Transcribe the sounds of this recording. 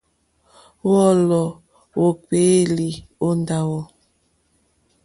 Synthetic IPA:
wɔ˦˨lɔ˨ | wo˨ke˨˦li˨o˦nda˨wɔ˨

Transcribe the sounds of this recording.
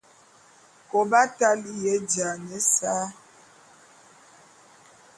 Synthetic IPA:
ko˨ba˦ta˦li˦jɛ˨˦d͡ʒa˨ɲɛ˨˦saː˦

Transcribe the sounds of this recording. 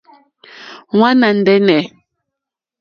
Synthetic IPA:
wa˦na˨n̩˨dɛ˦nɛ˨

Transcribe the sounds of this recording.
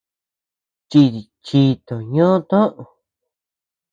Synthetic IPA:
t͡ʃi˧t̪i˨t͡ʃi˧t̪o˨ɲõ˦t̪õ˦ʔõ˨

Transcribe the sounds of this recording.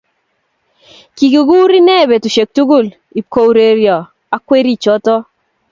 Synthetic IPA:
ki˨ɡu˨ɡu˦ɾi˦ne˦˨be˨tu˨ʃe˨k̚tu˦ɡu˦˨l | i˨ko˦˨wɾe˨ɾjɔ˨ | a˨kwe˦ɾi˦˨t͡ʃɔ˦tɔ˦

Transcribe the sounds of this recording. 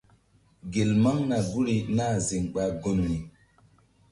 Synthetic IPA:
ɡe˨lma˦ŋna˨ɡu˦ɾi˦na˦˨zi˨ŋɓa˦ɡo˦n˨ni˨

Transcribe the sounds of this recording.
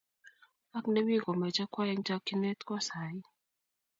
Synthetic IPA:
a˦kne˦mi˦kɔ˨mɛ˨t͡ʃa˦kwa˦ɛ˦ŋt͡ʃa˦ki˦nɛ˦t̪kwa˦sa˨ji˦

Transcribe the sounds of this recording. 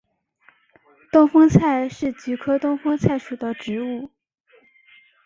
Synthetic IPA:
t̪ʊ˥˩ŋfɤ˥ŋt͡sʰa˥˧ɪʂɻ̩˥˩t͡ɕy˧˥kʰɤ˥t̪ʊ˥ŋfɤ˥ŋt͡sʰa˥˩ɪʂu˨˩d̪ə˦ʈ͡ʂɻ̩˧˥u˥˩

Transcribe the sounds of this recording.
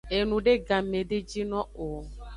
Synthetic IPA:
e˨nũ˨ɖe˦ɡã˨mẽ˨ɖe˦d͡ʒi˦nɔ̃˦o˨

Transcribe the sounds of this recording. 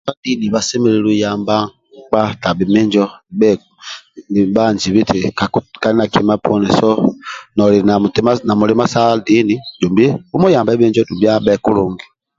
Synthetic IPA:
a˦di˦ni˨βa˨sɛ˦mɛ˦˨ɾɛ˦ɾu˦ja˨mba˦ | k͡pa˦ta˨bi˨me˦ɲd͡ʒɔ˦˨bɛ˦˨ | ba˦˨nd͡ʒi˨βi˦tʰe˨ka˨˦ka˨ni˦na˨kʰi˨˦ma˦pʰɔ˦nɛ˨sɔ˦nɔ˨ɾi˨na˨tma˦na˨mu˨ɾɛ˨˦ma˦sa˦di˦ni˦d͡ʒu˨mbe˦u˦mɔ˦ja˨mba˦βe˦ɲd͡ʒɔ˦du˨mbi˦a˦bɛ˦˨ku˦ɾu˨ŋɡi˨

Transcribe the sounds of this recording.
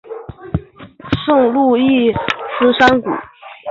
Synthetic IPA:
ʂʊ˥˧ŋlu˥˧i˥˩ʂɹ̩˥ʂa˥nkṵ˨˩˦

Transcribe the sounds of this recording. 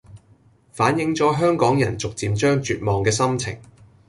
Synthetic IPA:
faː˨˥njɪ˧ŋt͡sɔː˨˥ɦœː˥ŋkɔː˨˥ŋjɐ˨˩nt͡sʊ˨k̚t͡siː˧mt͡ʃœː˥ŋt͡ʃyː˨˧t̚mɔː˨ŋkɛː˧sɐ˥mt͡sʰɪ̰˨˩ŋ

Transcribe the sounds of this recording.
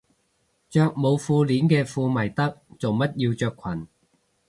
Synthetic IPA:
t͡ʃœː˧k̚mo˨˧wfuː˧liː˨˥nkɛː˧fuː˧mɐ˨˩jt̪ɐ˥k̚t͡so˨wmɐ˥t̚jiː˧wt͡ʃœː˧kʷʰwɐ˨˩n

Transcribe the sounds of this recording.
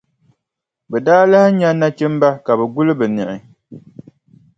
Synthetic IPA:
bɛ˨daː˦la˦hɪ˦ɲa˦na˦t͡ʃɛ˦m˦ba˦ka˨bɛ˨ɡu˦lɨ˦bɨ˨nɨ˨ʔɪ˨

